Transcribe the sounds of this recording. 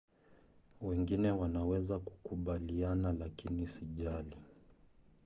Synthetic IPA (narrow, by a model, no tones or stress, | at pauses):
wɛŋɡinɛwanawɛzaku̥kuɓalianalakinisiʄali